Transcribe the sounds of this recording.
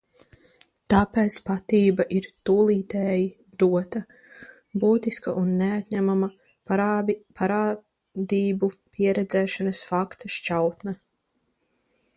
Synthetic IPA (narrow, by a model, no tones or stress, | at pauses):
t̪apɛːt̪spat̪iːbaʔiɾt̪uːlˠiːt̪ɛːji | d̪uɔt̪ɐ | buːt̪iskaʔunːeat̪ɲæmama | pʰaɾaː | d̪iːbupiɛɾɛd̪zɛːʃanɐsfakt̪aʃt͡ʃawt̪na